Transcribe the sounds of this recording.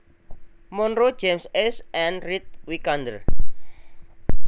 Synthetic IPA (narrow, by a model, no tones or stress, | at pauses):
mɔnrɾo̥d͡ʒemsesʔɛnrit̪̚wikand̪ə̰r